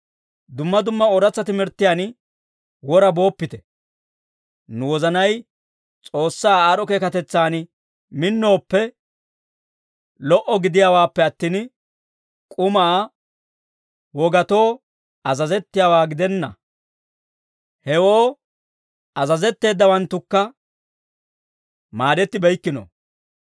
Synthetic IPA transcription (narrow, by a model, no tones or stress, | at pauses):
d̪ʊmːɐd̪ʊmːɐɔɾɐt͡sːɐt̪ɪmɪɾt̪ːɪjaːn | wɔɾɐbo̞ːpːɪt̪ɛ̥ | nʊwɔzɐnɐj | t͡sʼo̞ːsːaːaɾɔkeːkɐt̪ɛt͡sːaːn | mɪnːo̞ːpːɛ | lɔʔɔɡɪd̪ɪjaːwaːpːɛɐt̪ːiːn | kʼʊmaː | wɔɡɐt̪o̞ː | ɐzɐzɛt̪ːɪjaːwaːɡɪd̪ɛnːɐ | hɛwo̞ː | ɐzɐzɛt̪ːe̞ːd̪ːɐwɐnt̪ːʊkːɐ | maːd̪ɛt̪ːɪbɛjkːɪno̰